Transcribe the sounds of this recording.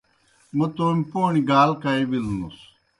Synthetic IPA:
mɐt̪oːmpoːniɡaːlkajbilnṵs

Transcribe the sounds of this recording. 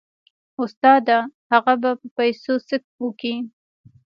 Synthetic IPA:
ʊst̪ɑd̪ahaɣabapəpajsosək̚wuki

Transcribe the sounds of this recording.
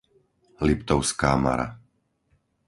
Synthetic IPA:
lipt̪ɔʊskaːma̰ɾa̰

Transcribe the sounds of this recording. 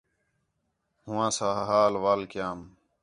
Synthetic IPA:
ɦʊ̃wãːsaːɦɦaːlʋaːlkjaːm

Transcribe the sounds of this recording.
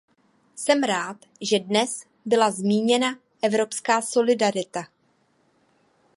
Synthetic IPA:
sɛmɾaːt̪ | ʒɛdnɛs | bɪlazmiːɲɛna | ʔɛvɾo̞pskaːso̞lɪdaɾɪt̪a

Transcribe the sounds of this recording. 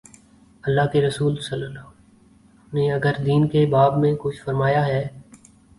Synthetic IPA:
ɐlːaːɦkeɾɐsuːlsɐlːəla | neɐɡəɾd̪iːnkebaːbmẽkʊt͡ʃʰfɐɾmaːjaɦɛː

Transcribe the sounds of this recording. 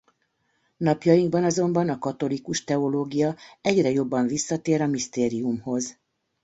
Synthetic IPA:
nɒpjɒjiŋɡbɒnɒzo̞mbɒnɒkɒt̪o̞likuʃt̪ɛo̞loːɡijɒɛɟrɛjo̞bːɒɱvisːɒt̪eːɾɒmist̪eːɾijumho̞z

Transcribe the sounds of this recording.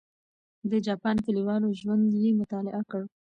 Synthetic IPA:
d̪əd͡ʒɑpɑnk̪əliwɑnoʒwand̪jemʊt̪ɑlɪ̰ʔakəɽ

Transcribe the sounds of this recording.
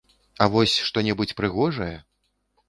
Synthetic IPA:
ɐvɔsʲʂt̪ɔnʲɛbut͡sʲpɾɨɣɔʐɐjɛ

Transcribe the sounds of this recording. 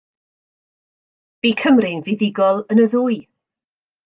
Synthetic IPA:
b̥ikʰəmrɪnvɪðɪɡɔlˠənəðʊɨ

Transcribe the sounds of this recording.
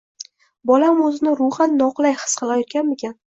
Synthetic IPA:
bɒlamɵzɪnɪɾʊχanːɒqlˠajχɨ̥sqʰɑlˠajɒt̪̚kʲanmekʲʰan

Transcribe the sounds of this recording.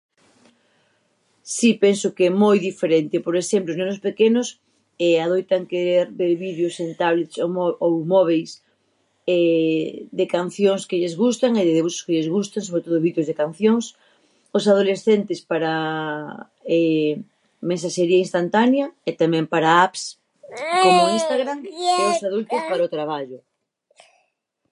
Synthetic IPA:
sipensʊkɛmojðifeɾent̪ɪpoɾesemploznenʊspekenʊs | ɛaðojt̪aŋkeɾeɾbeɾβiðjosent̪aβlet̪soowmɔβejs | ɛ | d̪ekan̟θjoŋskɪʎɪzɣust̪aŋeðeðeβuʃʊ̥skeʎɪzɣust̪aŋs̬oβɾet̪oðʊβiðjozðekan̟θjoŋs | ʊsað̞olesθent̪ɪspaɾɐ | ɛ | mẽnsaʃeɾiɐinst̪ant̪anjɐet̪amɛ̃mpaɾaaps | kenʊinst̪aɣɾaŋeʊsaðult̪ospaɾaot̪ɾaβaʎʊ

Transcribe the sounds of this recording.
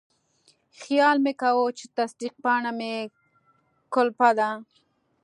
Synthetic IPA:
xjɑlmekawot͡ʃet̪asd̪iq̚pɑɳame | kʊlpad̪a

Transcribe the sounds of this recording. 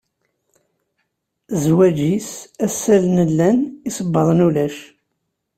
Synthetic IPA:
zwæd͡ʒisæsːælnəlːænisəbːɑðˤnulæʃ

